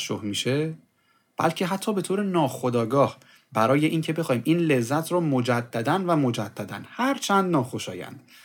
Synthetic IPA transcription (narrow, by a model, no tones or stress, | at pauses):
ʃo̰hmiːʃe | b̥æ̰lcʰe̞ɦæt̪ʰːɒːbe̞t̪ʰoːɾenɒːxo̞d̪ɒːɡɒːh | bæɾɒːje̞ʔiːŋcʰe̞be̞xɒːiːmʔiːnle̞zːæt̪ʰɾɒːmod͡ʒæd̪ːæd̪ænvæmo̞d͡ʒæd̪̥ːæd̪ænhæɾt͡ʃʰænd̪nɒːxo̞ʃɒ̰ːjæ̰nd̪̥